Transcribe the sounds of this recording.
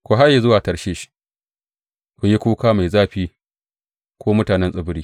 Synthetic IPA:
kʷo˨ɦa˦ji˨zʊ˦waː˨tɐ˨ʃeː˦ʃi̥˦ | kʷʊ˨ji˦kʷuː˦kaː˦ma˨zaː˦ɸiː˦ | kʷoː˦mʊ˦taː˨nɛ˦nsʼɪ˦bɪ˦ɾiː˦

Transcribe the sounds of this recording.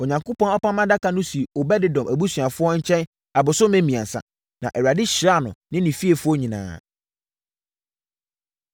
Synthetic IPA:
ɔ˨ɲã˨ŋko˦pɔ̃˦nɔ˦pã˦mã˦da˦kʰa˨nʊ̃˦si˨ɔ˨bɛ˦dɪ˦dɔ̃˨mʔæ˨bu˦sɥa˨fʊ˦ɔ˦ɲ̩˦t͡ɕʰɛ̃˦n | a˨bʊ˨sʊ˦mẽ˦mĩ˨ã̰˨sa̰˨ | nã̰˨ʔɛ˨wa˨dɪ˦ɕɾa˦˨nʊ̰̃˨nɪ̃˦nɪ̃˨fi˦e˨fʊ˦ɔ˦ɲĩ˨nã̰ː˨

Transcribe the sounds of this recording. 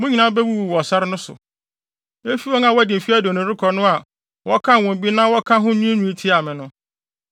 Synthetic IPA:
mʊ̃˦ɲĩ˨˦nã˦bɛ˦wu˦wu˨wɔ˨sa˦ɾɪ˦nʊ̃˦sʊ̰˨ | e˦fi˦wɔ˦ŋa˨wɔ˦˨dɪ̃˨m̩˨fi˦æ˦do˨nʊ̃˨ɾɪ˦kʰɔ˨nʊ̃˦a˨ | wɔ˦kʰã˦˨wɔ̃˨m˨bi˦nãː˦wɔ˦kʰã˦ɦʊ̃˦nũ˦e˦nũ˦e˦tʰi˦a˨mɪ̃˨nʊ̃˦

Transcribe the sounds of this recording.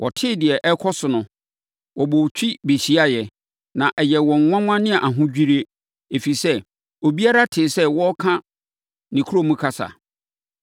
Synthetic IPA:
wʔɔ̰˨tʰɪ˦dɪ˨ɛ˨ʔɛ˦kʰɔ˦sʊ˨nʊ̃˨ | wʔɔ˨bo˨t͡ɕʰᶣi˦be˨ɕi˨a˦jɛ˨ | nã˨ʔɛ˨jɛ˨wɔ̃˨ŋ˨˦ŋʷã˦ŋʷã˦nɪ̃˦a˨ʔa˨ɦʊ̃˦d͡ʑᶣi˦ɾe˦ | e˨fi˨sɛ˦ | o˨bi˦a˦ɾa˦tʰɪ˨sɛ˦wɔ˦kʰã˦ | nĩ˨kʰu˦o˦mũ˦kʰa˦sa̰˨

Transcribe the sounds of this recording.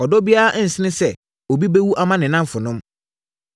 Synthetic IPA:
ɔ˨dɔ˦bi˦a˦ʔn̩˨sɪ˦nɪ̃˦sɛ˦˨ | o˨bi˦be˦wu˦ʔa˦mã˦nɪ̃˨nã˦m˦fʊ˨nʊ̃˦m

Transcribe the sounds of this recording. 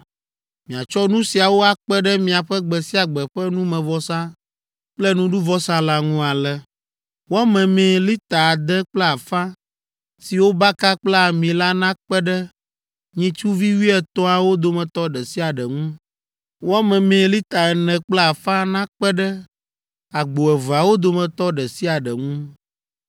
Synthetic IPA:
mĩ˨a˨t͡ʃɔ˦nũ˦si˨a˨wo˦a˨k͡pɛ˦ɖɛ˦mĩ˨a˨ɸɛ˦ɡ͡bɛ˨si˦a˨ɡ͡bɛ˨ɸɛ˦nũ˦mɛ̃˨vɔ˦sã˦ | k͡plɛ˦nũ˦ɖu˦vɔ˦sa˦la˨ŋũ˦a˨lɛ˨ | wɔ˦mɛ̃˨mẽ˨li˦t̪a˨d̪ɛ˦k͡plɛ˦a˨fã˦ | si˨wo˦ba˦ka˦k͡plɛ˦a˨mĩ˨la˦nã˦k͡pɛ˦ɖɛ˦ | ɲĩ˦t͡ʃu˦vi˦wi˦ɛ˦t̪ɔ˦a˨wo˦d̪o˨mɛ̃˨t̪ɔ˦ɖɛ˨si˦a˨ɖɛ˨ŋũ˦ | wa˦mɛ̃˨mẽ˨li˦t̪a˨ɛ˨nɛ̃˨k͡plɛ˦a˨fã˦nã˦k͡pɛ˦ɖɛ˦ | a˨ɡ͡bo˨ɛ˨va˨wo˦d̪o˨mɛ̃˨t̪ɔ˦ɖɛ˨si˦a˨ɖɛ˨ŋũ˦

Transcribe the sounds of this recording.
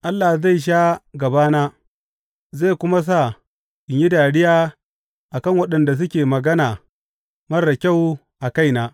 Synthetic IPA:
ʔa˦lːa˨hza˦˨jʃ̬aː˦ɡɐ˨baː˦naː˦ | za˦˨kʷʊ˦ma˦s̬a˦˨ | ʔɪ˨ɲji˦daː˨ɽɪ˦jaː˦ | ʔa˨kɐ˦˨ŋwɐ˦ɗɐ˨nda˨s̬ʊ˦kʲeː˨mɐ˨ɡɐ˦naː˨ | mɐ˦rda˨kʲa˦˨w | ʔa˨ka˦˨jnaː˨˦

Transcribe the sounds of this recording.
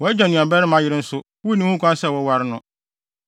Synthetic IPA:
wɔ˨˦ɛ˦d͡ʑᶣa˨nʊ̃˨a˨bɛ˦ɾɪ˦mã˦jɪ˦ɾɪ˦n̩˦sʊ˦ | wu˦nĩ˦hũ˦kʷʰã˦n˦sɛ˦˨wɔ˦wa˦ɾɪ˦nʊ̃˦

